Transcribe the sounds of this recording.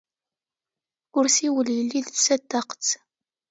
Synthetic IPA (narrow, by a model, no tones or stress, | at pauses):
ʊɾsiwəljəlːiðsæd̪ːaqə̥t͡sː